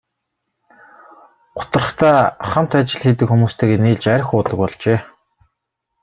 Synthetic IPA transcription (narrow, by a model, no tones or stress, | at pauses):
ɢ̥ʊ̥t̪ə̆rə̆χt̪ʰaːχam̥t̪at͡ɕɪ̆ɮxet̪̬ɘ̆kxumuːst̪ʰeːkeniːɮt͡ɕæɾ̆ʲxʊːt̪ə̆k̚pɔɮt͡ɕeː